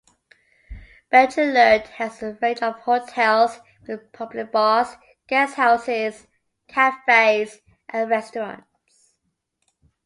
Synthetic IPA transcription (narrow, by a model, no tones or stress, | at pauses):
b̥ɛt͡ʃələdhəzəɹeɪtəv̥hotʰɛlˠz | wɪðpʰʌblɪk̚bɔs | ɡ̥ɛshaʊsɪz̥ | kʰæfeɪz̥ | ʔə̃nɹɛstəɹə̰̃nt | s